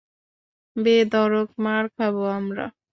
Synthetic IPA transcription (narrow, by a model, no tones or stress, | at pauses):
bed̪ɔɾokmaɾkʰaboamɾa̰